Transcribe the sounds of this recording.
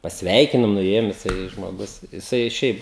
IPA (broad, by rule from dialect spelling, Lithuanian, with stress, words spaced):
pɐsʲˈʋʲɛɪkʲɪnʊm nʊˈeːjʊm jɪˈsɐɪ ʒmoːˈɡʊs jɪˈsɐɪ ˈʃʲɛɪp